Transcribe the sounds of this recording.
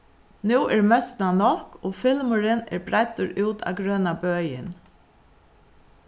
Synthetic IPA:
nuːʔɛɹmœst̪nanɔhkoːfɪlmʊɾɪnɛ̰ɹbɾajt̪ʊɾuːt̪ʰa̰wɡɾøːnabœːjɪ̰n

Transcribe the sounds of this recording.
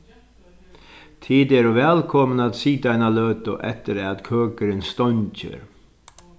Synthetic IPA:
t̪ʰiːd̪ɛːɾuvɛːlkʰɔmənat̪siːd̪ajnaløːt̪ʊʔɛ̰t̪əɾɛat̪kʰøːkəɾɪnst̪ɔɲt͡ʃɪ̰ɾ

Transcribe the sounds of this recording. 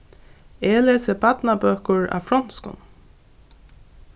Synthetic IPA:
eːleːsəbat̪nabøːkʊɹa̰fɹɔn̥skʊ̰n

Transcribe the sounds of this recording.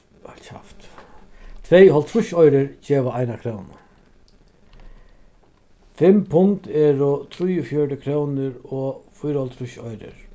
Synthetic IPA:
ɔlt͡ʃa̰ft̪ | t̪ʰvejɦɔlt̪ʰɾʊʃɔjɾɪɾt͡ɕɛːʋaajnakʰɾɔwna̰ | fɪmpʰʊŋt̪ɛɾʊt̪ʰɾʊjʊfjɔʈɪkʰɾɔwnɪɾɔfʊjɾhɔlt̪ʰɾʊʃɔjɾɪ̰ɾ

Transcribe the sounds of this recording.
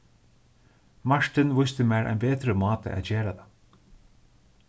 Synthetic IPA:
maɹ̥t̪ɪnʋʊjst̪ɪmæːɾʔa̰jnbɛːt̪ɾəmɑːt̪ə̰ʔæ̰ðd͡ʑeːɾat̪a

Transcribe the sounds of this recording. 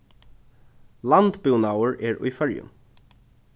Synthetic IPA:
lant̪bɪwnawəɹɛːɹṵjfœɹjʊ̰m

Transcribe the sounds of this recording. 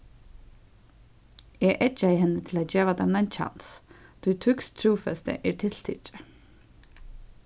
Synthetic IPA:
ɛɣʔɛt͡ʃːaɪhɛnːət̪ʰɪlaːðd͡ʒeːʋad̪ɛmnajnt͡ʃʰa̰nst̪ʰʊjt̪ʰʏkst̪ʰɾuːfɛst̪ə̰ʔɛɹt̪ʰɪl̥t̪ʰɪ̰t͡ʃə̥

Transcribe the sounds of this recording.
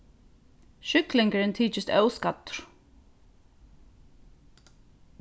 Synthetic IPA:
ʃʏklɪŋkaɾɪnt̪ʰiːt͡ʃɪst̪œwskat̪ʊ̥ɾ̥

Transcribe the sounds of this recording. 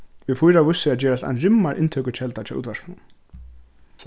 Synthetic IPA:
ʋɪðfujɾavʊsːɪaðt͡ɕɛːɾast̪a̰jnrʏmːaɾʔɪ̰nt̪ʰœkʏt͡ɕʰɛlt̪at͡ɕʰɛṵːt̪vaɾskmun

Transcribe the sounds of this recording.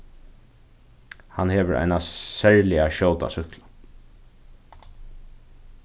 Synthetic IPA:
hanheːʋəɹʔa̰jnasɛɹlɪaʃoːwt̪a̰sʏklḁ

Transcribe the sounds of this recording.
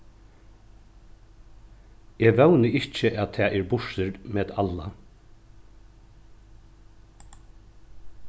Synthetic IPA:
ɛːɡʋœwnɪɪht͡ʃəʔæðt̪ʰɛːʔɛːɾbʊʂɪɾmɛːðalːa̰

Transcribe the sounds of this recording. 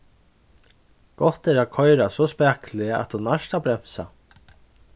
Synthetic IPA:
ɡ̥ɔht̪ɛɾakʰɔjɾasɔspɛːklɪəa̰t̪hunːaʃt̪abɾɛm̥sa̰

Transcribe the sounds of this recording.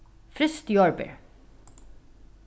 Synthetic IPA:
fɾɪst̪jɔɹbɪ̰ɹ

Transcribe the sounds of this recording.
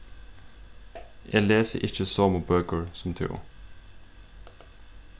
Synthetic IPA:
ʔḛːleːsəʔɪçəsoːmʊbøːkəɹsɔm̩t̪ʰɪ̰ːʊ̰

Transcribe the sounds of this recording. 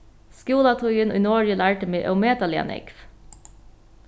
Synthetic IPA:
skjuːlɑt̪ʰuʏəno̰inoːɹjəlæːʈəmeːʔœ̰ʊmeːt̪ɑlɪɑ̰nɪ̰kf

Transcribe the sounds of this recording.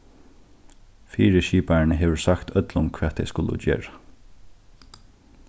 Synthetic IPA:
fiːɹəʃiːpaɹɳəɦeːʋəɹsakt̪ʰœt̪lʊmkʰv̥ɛːt̪ʰːejskʊlʊ̰d͡ʒɛ̰ːɹa

